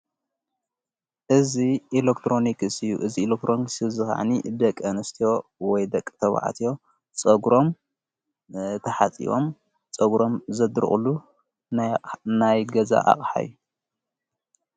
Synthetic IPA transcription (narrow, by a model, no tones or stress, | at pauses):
ʔɨziilekt̪ʰɾo̞nikɨsɨjṵʔɨziːlek̚t̪ʰɾo̞niksɨzɨka̰ʕ̰nid̪ɐkʼːɐnɨst̪ʰijo̞wɔjd̪ɐkʼːt̪ʰɐβa̰ʕa̰t̪ʰio̞ | t͡sʼɐɡɾo̞m | t̪ʰɐħat͡sʼḭwo̰m | t͡sʼɐɡɾo̞mzɐd̪ɾɨ̰χʼulu | najɡɐza̰ʔa̰χʼħa̰jːu